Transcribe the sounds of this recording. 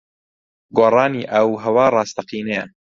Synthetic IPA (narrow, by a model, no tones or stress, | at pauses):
ɡoːrˤɑːniːʔɐwɦɐwɑːrˤɑːst̪ɐqiːnɛjɐ